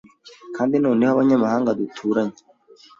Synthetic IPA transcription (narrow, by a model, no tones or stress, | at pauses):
kʰaːndinoːnehaβaɲamahaːŋɡad̪utʰuːɾaɲe